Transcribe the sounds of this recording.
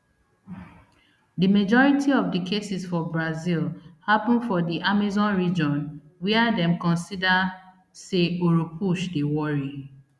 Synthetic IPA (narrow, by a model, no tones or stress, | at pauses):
dimad͡ʒɔɹitʰiɔvdikʰesisfɔbɹazilhapɔ̃nfɔdiʔamizɔ̃nɹid͡ʒɔ̃n | wiadɛ̃mkɔ̃nsida | seoɹopʰuʃdewɔɹi